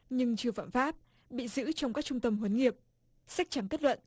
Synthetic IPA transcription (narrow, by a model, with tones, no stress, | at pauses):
ɲɨ˧ŋt͡ɕɨ˧əfa̰ː˧˨mfaː˦˥p̚ | ɓḭ˧˨zɨ̰˧˥t͡ɕɔ˧wŋ͡mkaː˦˥k̚t͡ɕʊ˧ŋ͡mt̪ə˧mɦwə˨˦nŋi˨˩əp̚ | sa˦˥k̚t͡ɕa˧˩ŋke˦˥t̚lwə̰˧˨n